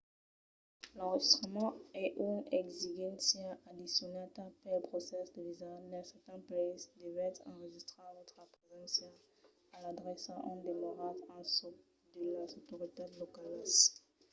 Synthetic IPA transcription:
lɑ̃ʁəʒist̪χəmɑ̃ɛʔynɛɡziɡɛ̃nsjɛʔad̪isjɔnat̪apɛləpχosɛsd̪əvizalɛ̃sɛt̪ɛ̃nplɛsd̪evɛɛt̪χɑ̃ʁəʒist̪χevɔt̪χəpχezɑ̃sjɛ | alad̪ʁɛsaʔɔ̰̃nd̪emaʁatɑ̃sɔ | d̪əlazot̪oʁit̪ed̪lokals

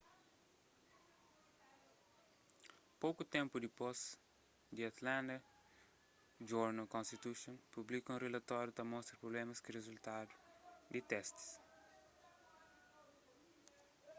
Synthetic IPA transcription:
powkut̪ɛ̃mpud̪ipoz | d̪iat̪lãnd̪ɐ | d͡ʒuɾnɐlkõnst̪it̪uʃõnpublikɐũrelɐt̪ɔɾjut̪ɐmɔst̪ɾɐpɾoblɛmɐskirezult̪ad̪ud̪it̪ɛst̪i̥s

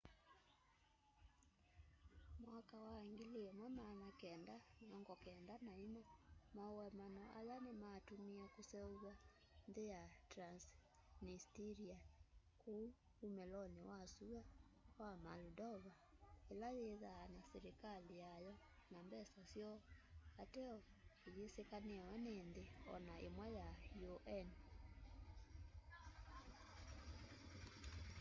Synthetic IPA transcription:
mwakawaŋɡeleɛmɔnaːnakɛndaɔŋɡɔkɛndanaimɔmaowɛmanɔʔa̰janemaːtumiɛkosɛoɣwa | nðejatɾans | nistiɾia | kou | umɛlɔnewasuawamaludɔβa | elajeðaːnasɛɾekalijajɔ | nambɛsasjɔatɛɔoɣesekanewɛneːnðeɔ̰naḛmwɛjajoʔɛn

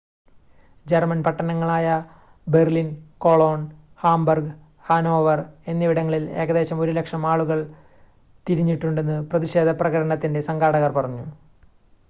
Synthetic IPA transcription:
d͡ʑermɐnpɐʈːɐnɐŋːɐɭaːjɐ | berlinko̞ɭoːɳ | haːmbɐrɡ | haːno̞ːʋɐre̞nːiʋiɽɐŋːɐɭile̞ːɣɐðe̞ːɕɐmo̞ɾulekʂɐmaːɭuɣɐɭ | t̪iɾiɲːiʈːuɳɖe̞nːɨprɐðiɕe̞ːd̪ʱɐprɐɣɐɽɐɳɐt̪ːinde̞sɐŋɡaːɽɐɣɐrpɐrɐɲːu

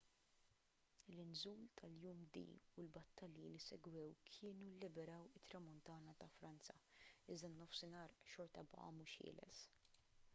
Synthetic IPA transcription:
lɪnzuːlt̪ʰɐljuːmd̪ḭːʊlbɐt̪ːɐljilisɛɡwɛwkʰɪːnulːɪbɛɾɐːwɪt̪ːɾɐmʊnt̪ɐːnɐt̪ɐfɾɐnt͡sɐɪzd̪ɐnːɔfsɪnɐːɾʃɔɾt̪ɐbɐ̰ʔɐ̰muːʃhɪ̰ːlɛ̰s

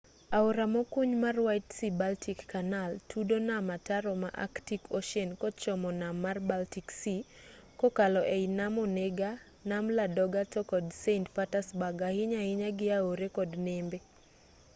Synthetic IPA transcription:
aoɾamɔkuɲmarwajtsibaltʰikːanaltʰudonamataɾɔma̰ʔa̰ktikʰoʃɛnkɔt͡ʃɔmɔnamːarbaltiksi | kɔkalɔʔeɪnamoneɡa | namladɔɡatɔkɔdsentfatasbaɡahɪɲaɪɲaɡɪaoɾekɔdnembe

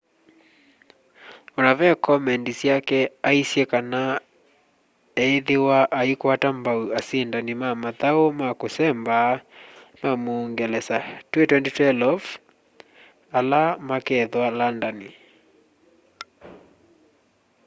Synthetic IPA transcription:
ɔɾavɛkʰɔmɛndisjakɛaisjɛkana | ɛːðewaʔaikwatambauasindanimamaðaomakosɛmbamamoːŋɡɛlɛsatwetwɛnditwɛlɔf | alamakɛðwalandani

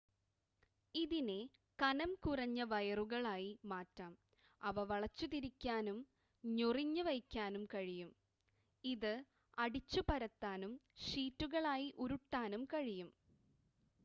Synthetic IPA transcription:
iðine | kɐnɐmkurɐɲːɐʋɐjɐruɣɐɭaːjimaːtːaːm | ɐʋɐʋɐɭɐt͡ɕːut̪iɾikʲːaːnum | ɲoriɲːɨʋɐjkʲːaːnumkɐɻijum | iðɨ | ɐɽit͡ɕːupɐɾɐt̪ːaːnumʂiːtːuɣɐɭaːjiʔuɾuʈːaːnumkɐɻijum

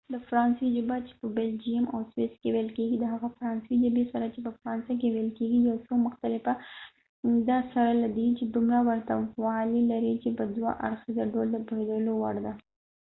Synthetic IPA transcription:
d̪əfɾɑnsid͡ʒəbat͡ʃe̥pəbeld͡ʒijama̰wswɪskewelkeɡid̪əɦaɣafɾɑnsd͡ʒabesaɾat͡ʃepəfɾɑnsak̬ewelkeɡijosomʊxt̪alɪfa | d̪ɑsaɾalad̪it͡ʃed̪umɾawaɾt̪awɑlilaɾit͡ʃepəd̪wa̰ʔa̰ɾxizaɖold̪əpəhed̪əlowaɽd̪a

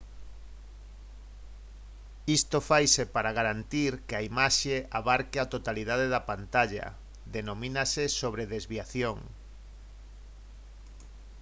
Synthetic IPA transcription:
ist̪ofajsepaɾaɣaɾant̪iɾkeaimaʃeaβaɾkeat̪ot̪aliðaðeðapant̪aʎa̰ | d̪enomĩnasesoβɾeðezβiaθjoŋ

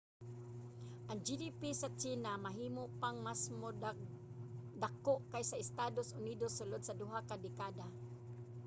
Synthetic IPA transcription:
ʔaŋd͡ʒidipisat͡ʃinamaɦiːmoʔpaŋmasmo | d̪akoʔkajsaɪst̪adosʔʊnidosːʊlʊd̪̚sadʊɦakadɪkada

